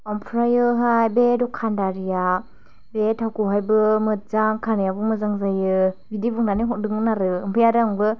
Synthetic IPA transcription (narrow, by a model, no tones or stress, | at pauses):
ɔmpʰɾajɯɦajbedɔkʰandaɾija | betʰawkɔɦajbɯmɯt̚zaŋkʰanijabɯmɯzaŋzajɯbidibɯŋnaniɦɔdɯŋnaɾɯɯmpʰɯjadaŋbɯ